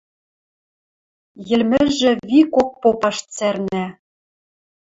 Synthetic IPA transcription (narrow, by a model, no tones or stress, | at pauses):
jɘ̆lmɘ̆ʒɘ̆βikok̚popɑʃt͡særnæ